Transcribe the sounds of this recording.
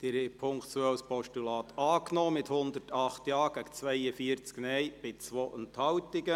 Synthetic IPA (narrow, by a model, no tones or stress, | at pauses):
d̥ɪɾepʰʊŋktt͡suœwspɔʃtulɑːt̪ʰɑːknɔːmɪt̪hʊnd̪ərtɑχt̪jɑːɡ̥æɡt͡sʋɛɪəfiəɾt͡sknɛjb̥ɪt͡sʋoːʔənthɑwtɪɡə